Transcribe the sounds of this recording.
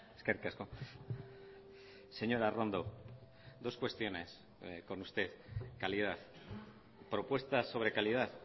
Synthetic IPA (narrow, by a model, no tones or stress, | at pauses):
eskerkesko | se̞ɲo̞ɾarond̪o | d̪oskwest̪jo̞ne̞s | ko̞nust̪e̞θkalið̞aθ | pɾo̞pwe̞st̪aso̞βɾe̞kalið̞aθ